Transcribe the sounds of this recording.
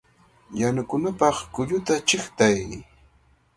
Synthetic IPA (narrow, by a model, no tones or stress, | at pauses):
janakʊnapɑχkʊʎʊt̪at͡ʃɪχt̪aj